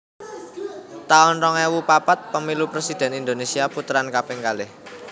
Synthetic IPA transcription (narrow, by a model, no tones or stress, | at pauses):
t̪aʊnrɔŋɛwupapat̪̚pəmilupɾesid̪̥ɛ̤nind̪onesiaput̪ɾankapɪŋkalɪh